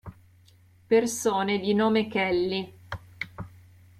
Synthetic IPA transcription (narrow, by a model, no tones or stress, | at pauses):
persoːned̪inoːmekɛlːi